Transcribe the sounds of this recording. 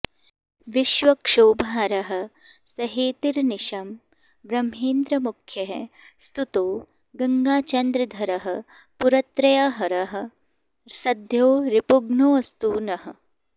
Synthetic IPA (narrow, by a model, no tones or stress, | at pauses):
ʋiʃʋɐkʂoːbʱaːɾɐɦɐ̆ | sɐɦeːt̪iɾniʃɐm | ʋɾɐmɦeːnd̪ɾɐmukʰːjɐɦ | st̪ut̪oː | ɡɐŋɡaːt͡ʃɐnd̪ɾɐd̪ʱɐɾɐɦɐ̆ | puɾɐt̪ɾɐjɐɦɐɾɐɦɐ̆ | sɐd̪ʱjoːɾipuɡnoːɐst̪uːnɐɦɐ̆